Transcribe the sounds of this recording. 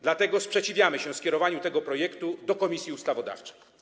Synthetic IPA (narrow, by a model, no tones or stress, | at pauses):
d̪lat̪ɛɡɔspʂɛt͡ɕivʲjamɘɕɛfskʲɛɾɔvaɲut̪ɛɡɔpɾɔjɛkt̪ud̪ɔkɔmʲisʲjiust̪avɔd̪a̰ft͡ʂɛ̥j